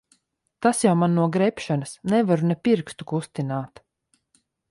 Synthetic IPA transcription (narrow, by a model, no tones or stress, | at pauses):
t̪asjawmanːuɔɡɾɛpʃanɨsnɛvaɾunɛpiɾkst̪u̥kust̪inaːt̪